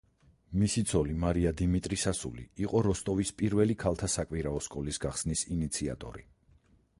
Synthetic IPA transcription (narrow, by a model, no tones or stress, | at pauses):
misit̪sʰɔlimaɾiad̪imit̪ʼɾisasṵlḭːqʼɔɾɔst̪ʼɔvispʼiɾvɛlikʰalˠt̪ʰasakʼwiɾaɔskʼɔlisɡaχsnisinit̪sʰia̰t̪ʼɔ̰ɾi